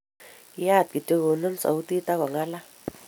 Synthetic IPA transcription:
ja˦˨t̪̚ki˨t̪e˦ɣo˨no˦nsa̰˨wt̪i˦t̪a˦ka˨ŋa˦la˦

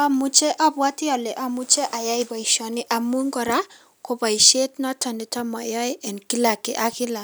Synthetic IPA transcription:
ɔ˦mu˦t͡ʃe˦ʔɔ˦bwa˦tɪ˦ɔ˨lɛ˨ʔɔ˦mu˦t͡ʃe˦ʔa˨ja˦i˨bɔ˨i˨ʃɔ˨nɪ˦ʔa˨mu˦ŋɡɔ˨ɾa˦ | ko˨ba˨i˨ʃe˦tnɔ˦tɔ˨nɪ˨tɔ˦mɔ̰˨jɔ˦ʔɛ˨nki˦la˨kɪ˨ʔa˦kɪ˦la˨

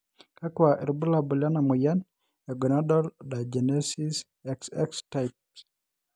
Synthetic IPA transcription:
ka˦kwa˨ʔɛ̰ɾbu˦la˨bu˨lja˦na˨mu˨ja˦n | ɛ˨ɡɔ˨nadɔ˦lda˨d͡ʒɛnesi˦s | ɛksɛ˦ksta˦jp̚

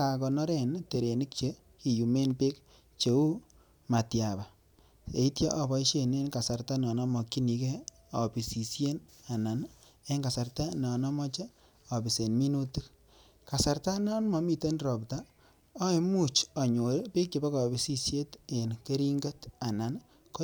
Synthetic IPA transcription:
a˨kɔ˨nɔ˦ɾe˦˨nte˨ɾe˨ni˦k̚t͡ʃe˦ | ki˨ju˨me˦npe˦k̚ | t͡ʃe˨u˦ | ma˨tja˨ba˨ | e˨i˦tja˦ʔɔ˦bɔ˨˦i˦ʃe˨ne˦nka˨sa˨rta˦nɔ˨nɔ˦mɔ˨ki˦ni˨ke˦ | ɔ˨pi˨si˨sje˦na˨na˨n | e˦ŋɡa˨sa˨rta˦nɔ˨nɔ˦mɔ˦t͡ʃe˦ | ɔ˨bi˨se˨nmi˦nu˦ti˦k̚ | ka˨sa˨ɾta˦nɔ˦nmɔ˨mi˦te˦nrɔ˨pta˦ | ɔ˦e˦mu˦t͡ʃɔ˨ɲo˨ɾpe˦k̚t͡ʃe˨ba˦kɔ˨bi˨si˦sje˦te˨nke˦ɾi˦ŋɡe˦ta˨na˨n | ko˦

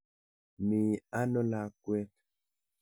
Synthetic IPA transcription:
mi˨a˦nɔ˦la˦kwɛ˦t

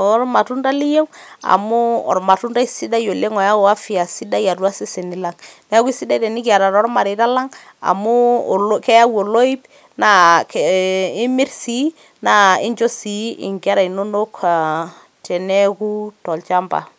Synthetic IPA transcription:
ɔ˦ɾma˨tu˦nda˦li˦je˦wa̰˨mu˦ɔ̰˨ɾma˨tu˦nda˦i˦si˦da˦jo˨le˦ŋɔ˨ja˦ɔ˨a˦fi˨a˨si˦da˦ja˨du˦a˦si˦se˨ni˨la˦ŋnɛ˦ku˦i˦si˦da˦tɛ˨ni˦ki˨a˨ɾa˨ɾɔ˦ɾma˨ɾe˨ta˦la˦ŋ | a̰˨mu˦˨kɛ˦ja˦wo˨lo˦i˦b | na˦ki˦mi˦ɾsi˦ | na˦i˦ɲd͡ʒo˦si˨˦ʔḭ˨ŋɡa˦ɾa˨i˨no˦no˦k | tɛ˨nɛ˦ku˦tɔ˨lt͡ʃa˦mba̰˨

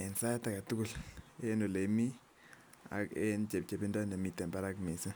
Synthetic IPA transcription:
ɛ˨nsa˦ta˨ka˨tu˦ku˦le˦no˨le˨˦mi˦ | a̰˨kḛ˦nt͡ʃe˨p̚t͡ʃe˨pi˦ndɔ˦na˨mi˨tɛ˨mba˦ɾa˦kmi˨sa˦

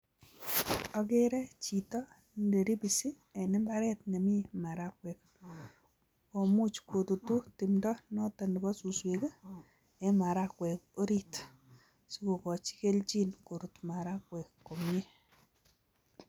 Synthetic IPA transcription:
ɔ˨ɡe˦ɾɛ˦t͡ʃi˨tɔ˦ | nde˨ɾi˦bi˨si˦ | ɛ˨nɪ˦mba˦ɾɛ˦tɲa˨me˦ma˨ɾa˦kwɛ˨k̚ | ko˨mu˦t͡ʃkwo˨t̪o˨tu˦ti˨mdɔ˦nɔ˦ta˨ndba˦su˨swe˨ɡa˦ | ɛ˨ma˨ɾa˦kwɛ˨ko˦ɾi˦t | si˦ko˨kɔ˨t͡ʃi̥˦ke˦lt͡ʃi˦nko˨ɾu˨tma˨ɾa˦kwɛ˨kːo˨mje˦

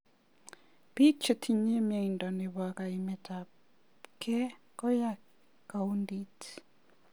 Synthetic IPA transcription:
bi˦t͡ʃe˨tʰi˨ɲi˦mja˨indɔ˨ne˨βwa˨ka˨imɛta˨ | kʰɛ˦ | kɔ˦ja | ka˨u˦ndit

